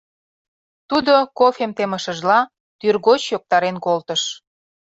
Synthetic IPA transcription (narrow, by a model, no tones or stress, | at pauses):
t̪ud̪okofemt̪eməʃə̆ʒlɑ | t̪yrɣot͡ɕjok̚t̪ɑɾenkolt̪əʃ